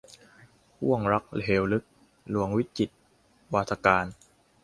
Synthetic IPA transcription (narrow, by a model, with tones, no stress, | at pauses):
hu˥˩əŋɾa˦˥k̚leː˨˦wlɯ˦˥k̚ | lu˧əŋwi˦˥t̪̚t͡ɕi˨˩t̪̚ | waː˧˩t̪ʰa˧kaː˧n